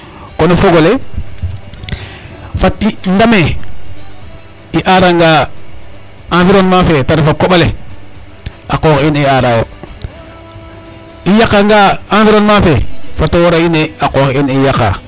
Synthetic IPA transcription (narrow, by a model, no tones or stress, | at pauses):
konofoɡole | fatindame | iʔaːɾaŋɡa | ãnfiɾonmafetaɾfakoɓale | akoːxiniaːɾawo | ijakːaŋɡaːãnfiɾonmafefatowoɾaineaqoxinijaka̰